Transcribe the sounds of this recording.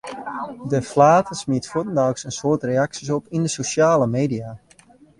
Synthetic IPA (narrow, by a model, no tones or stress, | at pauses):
dəflaːtʰəsmiətfutən̩dawksənsoːtreaksis̬ɔpindəsoʃjaːləmeːdia